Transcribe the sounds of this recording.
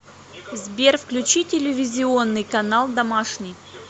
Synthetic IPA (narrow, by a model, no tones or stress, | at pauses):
zbʲerfklʲʉt͡ɕitʲɪlʲɪvʲɪzʲɪo̞nːɨjkɐnalˠd̪ɐmaʂnʲɪj